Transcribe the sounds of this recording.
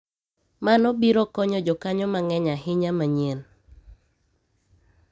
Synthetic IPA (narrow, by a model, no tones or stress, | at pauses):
manɔbiɾɔkɔɲɔd͡ʒɔkaɲɔmaŋɛɲaɦɪɲamaɲen